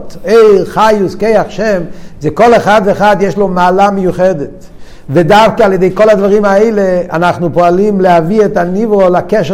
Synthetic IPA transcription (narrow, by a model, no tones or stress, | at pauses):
teɪχajuskejaχʃɛmzɛkoleχad̪veːχadjɛʃlomaːlamejuχɛdɛt | vɛdafkialjedejkolad̪vaʁimaeɪleanaχnupoalimlehaviɛtanivʁolakɛʃ